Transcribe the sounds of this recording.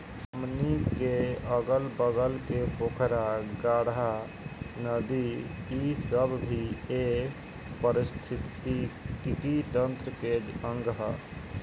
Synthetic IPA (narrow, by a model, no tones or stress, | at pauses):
həmnikeəɡəlbəɡəlkepokʰɾaɡaɽa | nəd̪iː | səbbʱie | pəɾist̪ʰit̪it̪ikit̪ə̃nt̪ɾəked͡ʒəŋɡɦə̰